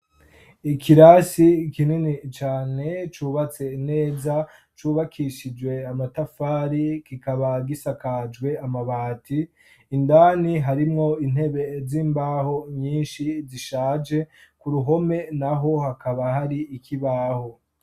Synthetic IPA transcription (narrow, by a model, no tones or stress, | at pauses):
ikʰiɾasikininit͡ʃaːne̞t͡ʃuːβat͡se̞ine̞ːzat͡ʃuːβakʰiʃid͡ʒwe̞amatafaːɾikikaβaɡisakad͡ʒɡwe̞amaβaːtʰiː | ndaːniɦaɾimŋo̞in̥he̞βe̞ziːmbaːho̞ɲiːnʃiziʃaːd͡ʒe̞kuɾuɦo̞me̞naɦo̞hakaβahaɾiːkʰiβaːho